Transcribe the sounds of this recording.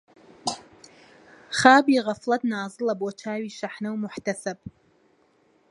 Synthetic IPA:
χaːbiʁafladnaːzɨlabʼwat͡ʃʰaːɥiʃaħnɨwmʊħtʰasapʼ

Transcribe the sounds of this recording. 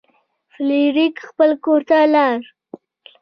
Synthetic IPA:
fliɾikxpəlkoɾt̪alɑɾ

